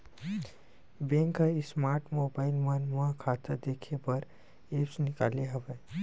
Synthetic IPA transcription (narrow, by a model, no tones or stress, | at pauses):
bẽːŋkɦəismaːɾʈmoːbaːɪlmənmãkʰaːt̪əd̪eːkʰepəɾ | eːpsnɪka̰ːleɦɐʋeː